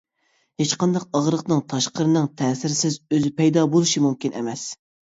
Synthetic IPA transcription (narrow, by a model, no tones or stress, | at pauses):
het͡ʃqɑnd̪ɑqɑʁɾəqnɨŋt̪ʰɑʃqəɾɨnɨŋt̪ʰɛːsɪɾɪsɪzøzɪpʰɛjd̪ɑbolˠuʃimumkʲinʔɛ̰mɛs